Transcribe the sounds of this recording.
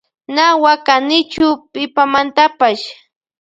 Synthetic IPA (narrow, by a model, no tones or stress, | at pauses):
nawakanɪt͡ʃʊpɪpamant̪apaʃ